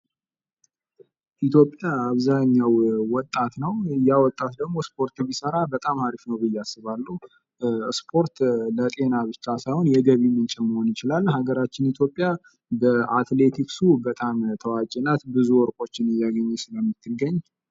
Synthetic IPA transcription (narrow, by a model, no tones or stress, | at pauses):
ʔit̪ʰjo̞pʼːjaːβzaɲːawːɔt̪ʼːat̪nəwɨjawɔt̪ʼːat̪d̪əɡmo̞spʰo̞ɾt̪ʰɨβisəɾabət̪ʼamhaɾifnəwbɨjːasːɨβalːu | spʰo̞ɾt̪lət̪ʼe̞naβɨt͡ʃːasajhonjɛɡəβimɨnt͡ʃʼɛməho̞njɪt͡ʃɪlalːhaɡəɾat͡ʃːɪnit̪ʰjo̞pʼːja | bəʔat̪le̞t̪ʰiksubət̪ʼamt̪ʰəwad͡ʒʼɛnat̪bɨzuwɔɾkʼo̞t͡ʃːɪnɨjːaɡəɲːɛsɨləmːɨt̪ʰːɨɡəɲː